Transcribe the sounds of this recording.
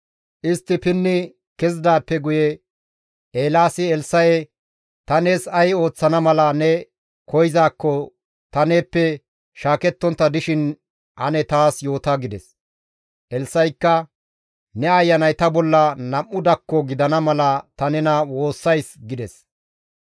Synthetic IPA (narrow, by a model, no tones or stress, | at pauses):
ʔɪst̪ːɪpɪnːɪ | kɛzɪd̪aːpːɛɡʊjɛ | eːlaːsɪɛlsːɐjɛ | t̪ɐne̞ːsɐjo̞ːt͡sːɐnɐmɐlɐnɛ | kʰɔjzaːkːɔ | t̪ɐne̞ːpːɛ | ʃaːkɛt̪ːɔnt̪ːɐd̪ɪʃɪn | hɐ̰nɛt̪aːsjo̞ːt̪ɐɡɪd̪ɛs | ʔɛlsːɐjkːɐ | nɛɐjːɐnɐjt̪ɐbɔlːɐnɐmːʊd̪ɐkːɔɡɪd̪ɐnɐmɐlɐt̪ɐnɛnɐwo̞ːsːɐjsɡɪd̪ɛs